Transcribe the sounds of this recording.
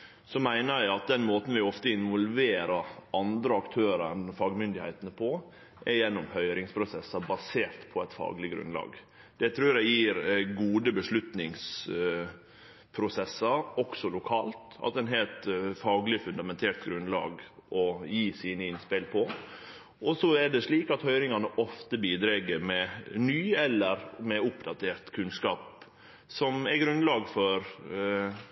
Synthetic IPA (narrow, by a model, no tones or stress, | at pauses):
sɔmæɪnəjæɪɑt̪̚d̪ɛnmoːt̪n̩ʋɪɔft̪əɪnʋɔlʋeːɾəɾʔɑnd̪ɾəɑkt̪ʰøːɾəɾnfɑːɡmʏnd̪ɪhæ̰ɪt̪ənəpʰɔ | ʔɛjɛnːʊmhœʏɾɪŋspʰɾʊsɛsːɑbɑseːɾt̪pʰɔæɪt̪fɑ̰ːɡlɪɡɾʉ̰nlɑ̰ːɡ | d̪̥ɛt̪ʰɾʉːdæjiːɾɡuːd̪əbəʂlʉt̪nɪŋs | pʰɾʊsɛsːəɔksɔlʊkʰɑːlt̪ɑ̰t̪ɛnɦɛːlt̪fɑːɡlɪfʉnd̪ɑmɛnt̪ʰeːlt̪ɡɾʉnlɑ̰ːɡʔɔjiːsiːnəɪnspɪlpʰɔ | ʔɔsɔɛɖɛʂɭiːkɑt̪hœʏɾɪŋɑnəʔɔft̪əbiːd̪ɾɛɡəɾmɛnyːɛlːəɾmɛʊpd̪ɑt̪ʰeːɾt̪kʰʉnskɑːp | sɔmɛɾɡɾʉnlɑːɡfɔɾ